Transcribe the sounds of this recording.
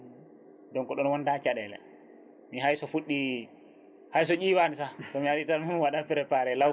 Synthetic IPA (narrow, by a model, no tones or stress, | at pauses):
dɔnkɔɗɔnwɔndat͡ʃaɗɛlɛ̰ | miɦajsɔfuɗːi | hajs̬ɔd͡ʒiwanisatɔmihaɗitaɾmunwaɗapɛɾɛpaɾɛla